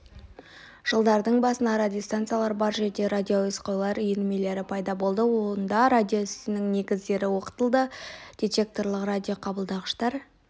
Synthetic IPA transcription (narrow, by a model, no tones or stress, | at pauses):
ʒ̥əlˠd̪ɑɾd̪əɴbɑsənɑɾadʲjost̪ant̪sjalˠɑɾbɑɾʒed̪e̞ɾad̪ʲio̞ɪsqɑjlˠɑɾʏjenɪme̞le̞ɾɪpʰɑjd̪ɑbo̞lˠd̪əwond̪ɑɾad̪ʲijo̞ʏsɪnɪŋne̞ɡʲɪzd̪e̞ɾɪwo̞qə̥t̪əlˠd̪əd̪̥ʲijt̪ʰe̞k̚t̪o̞ɾlˠəqradʲijo̞qʰɑbəlˠd̪ɑʁəʃt̪ɑɾ